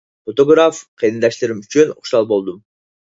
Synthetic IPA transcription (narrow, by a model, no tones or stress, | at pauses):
ot̪oɡɾafqʰijd̪ɯnd̪ɑʃt̪ˠɯɾɯmyt͡ʃynṵχʃɑlˠbo̞lˠd̪um